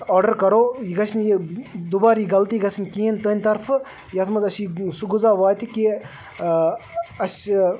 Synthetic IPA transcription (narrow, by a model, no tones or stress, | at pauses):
ɔːɾɖɐɾkɐɾoːjiɡɐsʰnjid̪uːbaːɾiɡɐlt̪iːɡɐsʰnʲkiːnt̪əːnʲt̪ɐɾfʰ | jɐt̪ʰmɐzɐsisuɡuzaːʋaːjt̪iki | ɐs